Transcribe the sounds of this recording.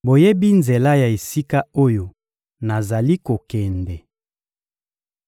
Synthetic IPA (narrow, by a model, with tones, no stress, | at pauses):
bo˨je˦bi˦nze˨la˦ja˨e˨si˦ka˦o˦jo˨ | na˨za˨li˦ko˨kɛ˨ndɛ˨